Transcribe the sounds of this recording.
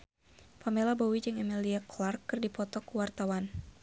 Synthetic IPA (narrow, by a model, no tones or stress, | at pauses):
pamelabɔwid͡ʒɨŋɛmiliaklarkːɨrdipɔt̪ɔkuwart̪awan